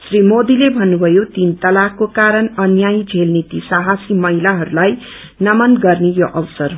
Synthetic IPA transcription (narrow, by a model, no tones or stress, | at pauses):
srimod̪ilebʱʌnːubʱʌjot̪int̪ʌlakːokaɾʌnʌnjaĩd͡zʱelnit̪isaɦasimʌɦilaɦʌɾulaj | nʌmʌnɡʌrnejoʔʌwsʌr